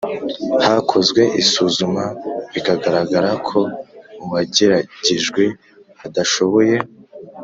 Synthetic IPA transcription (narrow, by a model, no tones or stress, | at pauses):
haːkʰo̞zɡwe̞ʔisuːzumaβikaɡaɾaɡaɾakʰo̞uβaɟe̞ɾaɟiʒɡwe | hadaʃo̞βo̞je̞